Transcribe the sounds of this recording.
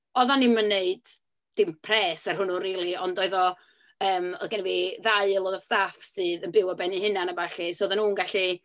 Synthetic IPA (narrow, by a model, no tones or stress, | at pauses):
ɔðanːimənːeɨd | d̥ɪmpʰrɛːsərhʊnʊnriːlˠiɔndɔɨðɔ | əːmɔ̰ðɡaniviðaɨlˠɔðɔstafsɨːðənbɪwɔbɛnihɪnanabaɬisoːðanuːnɡaɬi